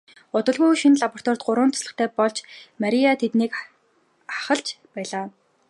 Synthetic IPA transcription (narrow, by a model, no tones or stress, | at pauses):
ʊt̪ə̆ɮʁʊːʃinɮapɔr̥t̪ɔr̥t̪̚ɢʊɾʊːnt̪ʰʊ̥sɮə̆χt̪ʰæːpɔɮt͡ɕmaɾʲiat̪ʰet̪niːk | aχə̆ɮt͡ɕpæːɮaː